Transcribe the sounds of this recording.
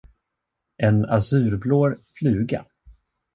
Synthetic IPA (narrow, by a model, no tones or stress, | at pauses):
ʔɛnasʉ̟ːɾbloːɾflʉ̟ːɡa̰